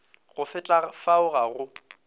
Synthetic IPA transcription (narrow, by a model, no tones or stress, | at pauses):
ɣʊfɪt͡ɬʼafaʊɣaɣʊ